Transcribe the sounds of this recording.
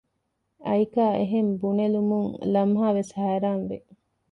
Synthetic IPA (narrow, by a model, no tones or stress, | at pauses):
ʔɐikaːʔeɦembunelumuŋlɐmɦaːʋeshæːɾaːnʋe